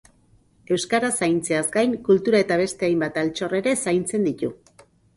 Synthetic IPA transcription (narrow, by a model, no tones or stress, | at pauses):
e̞wskaɾasajnt͡se̞azɡajŋkult̪uɾae̞t̪aβ̞e̞st̪e̞ajmbat̪alt͡ʃo̞re̞ɾe̞sajnt͡se̞nd̪it̪u